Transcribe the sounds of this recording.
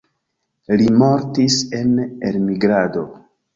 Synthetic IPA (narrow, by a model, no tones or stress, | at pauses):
limo̞ɾtise̞nelmiɡɾado̞